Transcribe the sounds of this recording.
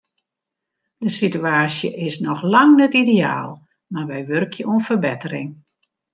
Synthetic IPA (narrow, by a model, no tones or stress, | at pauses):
dəsityaːsjəʔɪsnɔxlaŋnɛtidea̰ːlˠ | marʋɛjʋørkʰjəʔuənfərbɛtərɪŋ